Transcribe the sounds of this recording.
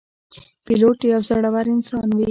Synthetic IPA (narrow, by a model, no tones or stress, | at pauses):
pɪloʈiawzaɽawaɾɪnsɑnwe